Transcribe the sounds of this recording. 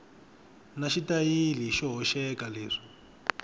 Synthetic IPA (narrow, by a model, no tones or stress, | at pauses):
naʃitajiliʃɔɦɔʃɛkaleːʂi̥